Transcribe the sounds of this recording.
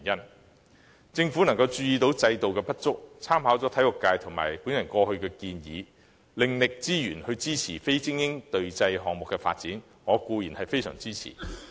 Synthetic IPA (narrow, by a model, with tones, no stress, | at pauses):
njɐ˥n | t͡sɪ˧ŋfuː˨˥nɐ˨˩ŋkɐ˧wt͡ʃyː˧jiː˨˧t̪o˨˥wt͡sɐ˧jt̪o˨wkɛː˧pɐ˥t̚t͡sʊ˥k̚t͡sʰaː˥mɦaː˨˥wt͡sɔː˨˥t̪ʰɐ˨˥jlʊ˨kːaː˧jt̪ʰŋma̰ː˨˩jpuː˨˥njɐ˨˩nkɔː˧hɵ˧ɥkɛː˧kiː˧njḭː˨˧ | lɪ˨ŋlɪ˨k̚t͡siː˥jyː˨˩nhɵ˧ɥt͡siː˥t͡sʰiː˨˩fe˥jt͡sɪ˥ŋjɪ˥ŋt̪ɵ˨ɥt͡sɐ˧jɦɔː˨˩ŋmʊ˨kːɛː˧fa̰ː˧t̚t͡siː˨˥n | ŋɔː˨˧kuː˧jiː˨˩nhɐ˨jfe˥jsœ̰ː˨˩ŋt͡siː˥t͡sʰḭ˨˩